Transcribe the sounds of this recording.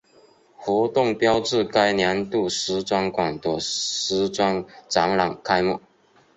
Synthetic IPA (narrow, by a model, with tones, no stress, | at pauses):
xwɔ˧˥t̪ʊ˥˨ŋpjɑ˥ʊʈ͡ʂɻ̩˥˨ka˥ɪnja˧˥nt̪u˥˩ʂ̩˥t͡swa˥nkwa˨˩ŋt̪wɔ˨˩ʂ̩˥t͡swa˥nʈ͡ʂɑ˧˥ŋlɑ˨˩ŋkʰa˥ɪmu˥˩